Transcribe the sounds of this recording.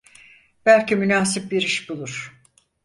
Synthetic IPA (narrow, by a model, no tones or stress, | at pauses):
b̥ælʲcimynaːsip̚biɾiʃbulˠuɾ̥